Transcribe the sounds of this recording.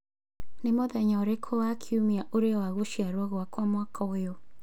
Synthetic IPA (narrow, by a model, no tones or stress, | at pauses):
nemoðɛɲɔɾekʰoakʰiumiaʔoɾeɔwaɣoʃiaɾwaɣwakwamwakʰɔwejo